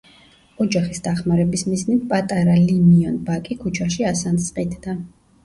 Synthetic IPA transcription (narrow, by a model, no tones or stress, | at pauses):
ɔd͡ʒaχisd̪̥aχmaɾɛbismiznit̪̚ʰpʼat̪ʼaɾalimiɔnbakʼikʰut͡ʃʰaʃiasant̪sʼqʼid̪d̪a